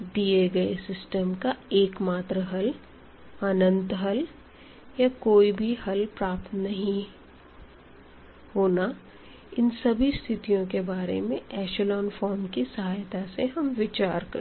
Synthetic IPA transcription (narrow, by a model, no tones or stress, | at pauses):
d̪ieɡɐesɪsʈəmkaeːkmaːt̪ɾəɦɐl | aːnə̃nt̪ɦɐl | jakoːibʱihɐlpɾaːp̚t̪nɐɦĩ | hoːna | ɪnsɐbʱist̪ʰɪt̪ijõkebaːɾḛmẽɛːʃəlɔːnfɔːɾmkisɐɦaːjt̪aseɦɐmʋɪt͡ʃaːɾkɐɾ